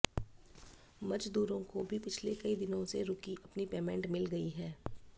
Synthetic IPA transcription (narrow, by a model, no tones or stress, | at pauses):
mɐd͡ʒd̪uːɾõkobʱipɪt͡ʃʰlekɐid̪ɪnõseɾʊkiʔɐpnipeːmɛ̃ɳʈmɪlɡɐiɦɛː